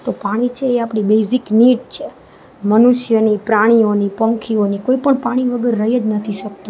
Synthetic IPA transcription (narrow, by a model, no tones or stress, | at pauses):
t̪opaɽ̃it͡ʃʰeːapɽ̃ibesikniɖt͡ʃʰe | mənuʃjənipɾaɽ̃ionipəŋkʰionikoipəɳpaɽ̃iʋəɡəɾːəɦed͡ʒnət̪ʰiʃək̚t̪ũ